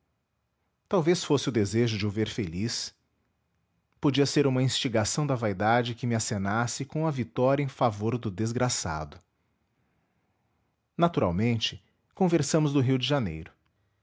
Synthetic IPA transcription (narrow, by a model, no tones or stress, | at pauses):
t̪awvesfosɪʊd̪ezeʒʊd͡ʒɪʊveɾfelis | pod͡ʒiɐseɾũmɐĩst͡ʃiɡasɐ̃w̃d̪ɐvajd̪ad͡ʒɪkɪmɪasenasɪkõɐvit̪ɔɾjɐẽfavoɾd̪ʊd̪ezɡɾasa̰d̪ʊ | nat̪uɾa̰wmẽnt͡ʃɪ̥ | kõveɾsɐ̃mʊzd̪ʊɦiwd͡ʒɪʒanḛjɾʊ